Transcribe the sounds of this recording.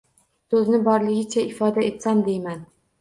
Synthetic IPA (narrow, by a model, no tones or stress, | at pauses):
sɵznɪbɒɾlɪɡʲɪt͡ʃʰaɪfɒd̪ae̞t̪samd̪e̞jman